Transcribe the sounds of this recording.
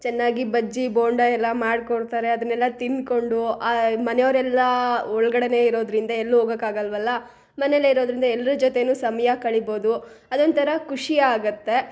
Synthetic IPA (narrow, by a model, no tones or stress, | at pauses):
t͡ʃɛnːaːɡibɐd͡ʒːiboːɳɖɐɛlːɐmaːɽkoɽt̪aːɾe̞ɐd̪ɐnːɛlːɐt̪inko̞ɳɖuamɐnejoːɾɛlːɐɔɭɐɡɐɽɐne̞iɾo̞ːd̪ɾind̪ɐelːɦoːɡɐkːaːɡɐlʋɐlːɐ | mɐnelːeiɾoːd̪ɾind̪ɐɛlːɐɾud͡ʒɔt̪e̞nuːsɐmɐjɐkɐɭibo̞ːd̪uɐd̪ond̪t̪ʰɐɾɐkuʂijɐaːɡut̪ːe̞